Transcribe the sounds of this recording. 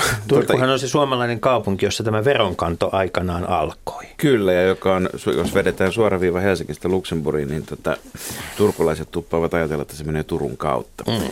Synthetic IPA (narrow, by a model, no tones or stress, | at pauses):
t̪uork̪uhɑnolsesuɑmɑlɑineŋkɑupuŋkijosːɑt̪æmæʋeroŋkɑnt̪oʔɑikɑnɑːnʔɑ̰lko̥ikylːæjɑjokɑonsjo̰sʋedet̪æːnsuɑrɑʋiːʋɑhelsiŋːist̪æluksemburinnint̪ot̪ɑ̰t̪urkulɑiset̪t̪upːɑːʋɑt̪ɑjɑt̪elːɑet̪ːæsemeneːt̪urṵŋkɑ̰ut̪ːɑ̥